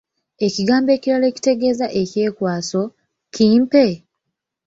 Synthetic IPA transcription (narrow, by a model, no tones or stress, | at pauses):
e̞ciɡaːmbe̞ːciɾale̞ci̥te̞ɡe̞ːzaʔe̞ce̞ːkwaːso̞ | ciːmpe̞